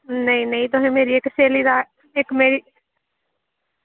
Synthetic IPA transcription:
nəĩnəĩt̪ʊɦẽːmeːɾiːekseːliːd̪aː | ɪkmeːɾiː

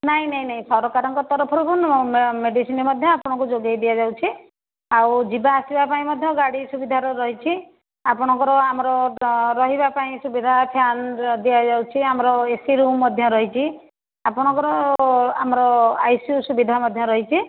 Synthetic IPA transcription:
naɦĩnaɦĩnaɦĩsɔɾɔkaɾɔŋkɔt̪ɔɾɔpʰɔɾukunmeɖisinɔmɔd̪ʱjɔapɔɽ̃ɔ̃ŋkud͡ʒoɡjajd̪ijad͡ʒawt͡ʃʰi | awd͡ʒibaːsibapaĩmɔd̪ʱjɔɡaɽisubid̪ʱaɾɔɾɔɦit͡ʃʰi | apɔɽ̃ɔ̃ŋkɔɾɔamɾɔɾɔɦibapaĩsubid̪ʱapʰjand̪ijad͡ʒawt͡ʃʰiamɾɔesiɾumːɔd̪ʱjɔɾɔɦit͡ʃʰi | apɔɽ̃ɔ̃ŋkɔɾɔa̰mɔɾɔajsjusubid̪ʱamɔd̪ʱjɔɾɔɦit͡ʃʰi

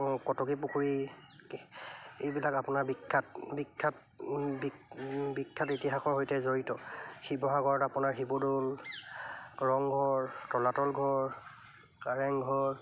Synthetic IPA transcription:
kɔtɔkip̬ukʰuɹi | ejbilakapʊnaɹbikʰːatbikʰːat | bbikʰːatitiɦaxɔɹɦojtɛzoɹitɔxibɔɦaɡɔɹɔtapʊnaɹxibodol | ɹɔŋɡʱɔɹtɔlatɔlɡʱɔɹ | kaɹɛŋɡʱɔɹ

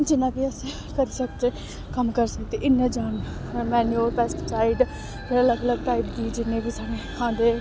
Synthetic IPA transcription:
d͡ʒɪnãːbiːəse | kəɾiːsəkd͡ʒ̪eː | kəmkəɾsəkt̪eʔɪnːẽːd͡ʒaːn | mɛːnioɾpɛːsʈsaːɪɖ | eələɡələɡ̚ʈaːipd̪iːd͡ʒɪnːẽːbiːsaːɽeːkʰãːnd̪eː

